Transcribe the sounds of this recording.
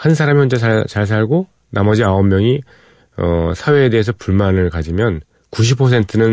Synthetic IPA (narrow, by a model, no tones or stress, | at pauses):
hansʰaɾamijond͡ʑeat͡ɕaɭs̬ʰaɭɡo | namʌd͡ʑiaʌmːjʌŋi | ʌsʰawe̞ːde̞ɦesʰʌpuɭmanɯɭkad͡ʑimjʌn | kuɕ̬ʰipʰʌs̬ʰe̞ntʰɯnɯn